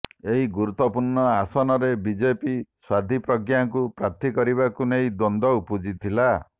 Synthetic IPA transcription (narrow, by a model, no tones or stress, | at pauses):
eɦiɡuɾut̪ːɔpuɾɳɔasɔnɔɾebid͡ʒepiswad̪ʱipɾɔɡjaŋkupɾat̪ʰikɔɾiβakunejd̪ond̪ɔwpud͡ʒit̪ʰila